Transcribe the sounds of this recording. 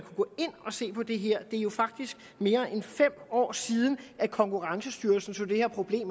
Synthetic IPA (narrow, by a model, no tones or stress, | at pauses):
nkʰuɡ̥ɔ̽e̝n̰ɒ̽se̝̰ːpʰɒ̽d̥e̝ɦeɐ̰d̥e̝æɐjo̝fɑ̈ɡ̥̚d̥isɡ̥ | me̝ːɐʔenfem̰ɒ̰ːsiːð̞ˠn̩ækʰɒ̽ŋkʰuʁɑ̈ŋsəsd̥yɐlsn̩sɒd̥e̝hæɐ̰pʰʁo̝b̥le̝̰ːm